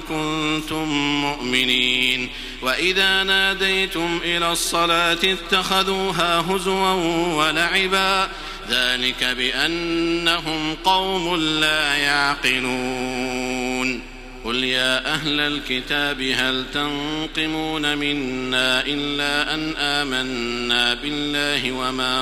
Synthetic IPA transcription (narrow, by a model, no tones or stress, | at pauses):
kʊnt̪ʊmːʊʔmɪniːn | waʔɪðaːnaːd̪ajt̪ʊmʔɪlaːsˤːɑlaːt̪ɪt̪ːaxaðuːɦaːɦʊzwanwalaʕɪbaː | ðaːlɪkabɪʔanːaɦʊmqɑwmʊnlaːjaʕqɨluː | n | qʊljaːʔaɦlalkɪt̪aːbɪɦalt̪anqɨmuːnamɪnːaːʔɪlːaːʔanʔaːmanːaːbɪlːaːhɪwamaː